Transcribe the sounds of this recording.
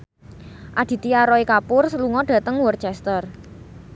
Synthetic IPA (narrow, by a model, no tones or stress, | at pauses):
ʔad̪̥i̤t̪iaɾɔikapʊrsəluŋɔɖ̥ä̤t̪əŋwɔrt͡ʃɛst̪ər